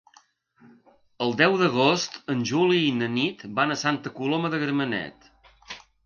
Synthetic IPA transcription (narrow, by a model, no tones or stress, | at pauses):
əlˠd̪ɛwðəɣ̞ost̪ənʲʒuliːnənit̪banəsant̪əkuloməðəɣɾəmənɛ̰t̪